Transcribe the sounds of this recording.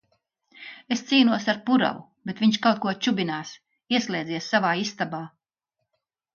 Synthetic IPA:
est̪siːnuɔsaɾpuɾa̰wu | bet̪vʲiɲʃkawt̪̚kuɔt͡ʃubinaːs | iɛslʲˠɛːd̪ziɛsːavaːist̪abaː

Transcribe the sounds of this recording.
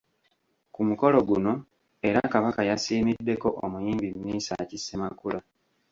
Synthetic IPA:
kumuko̞lo̞ɡuno̞ | e̞ɾakaβakajasiːmidːe̞ko̞ʔomujiːmbimːiːsa̰cisemakula

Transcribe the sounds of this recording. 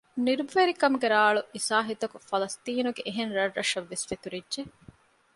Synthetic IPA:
niɾubuʋeɾikɐmuɡeɾaːɭuisaːɦit̪ɐkufɐlɐst̪iːnuɡeʔeɦenɾɐrːɐʃɐʋːesfet̪uɾidʒe

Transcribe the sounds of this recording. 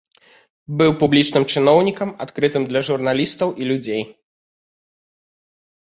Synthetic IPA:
bɨwpublʲit͡ʂnɨmt͡ʂɨn̪ɔwnʲikɐmat̪kɾɨt̪ɨmd̪lʲɐʐurn̪alʲist̪ɐwʔilʲud͡zʲej

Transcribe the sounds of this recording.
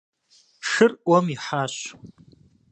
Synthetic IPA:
ʂɨrʔwɔmiħaːɕ

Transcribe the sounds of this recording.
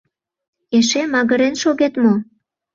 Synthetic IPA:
eʃemɑɣəɾenʃoɣet̪mo

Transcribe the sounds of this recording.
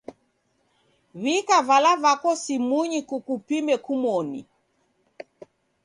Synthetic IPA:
βikavalavakɔsimuɲikukupimɛkumɔnḭ

